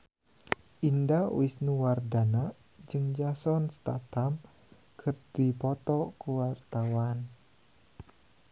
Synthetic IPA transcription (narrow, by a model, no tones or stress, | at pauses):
ʔindawɪsnuwardana | d͡ʒɨŋd͡ʒasɔnst̪at̪am | kʰərd̥ipɔt̪ɔkuwart̪awan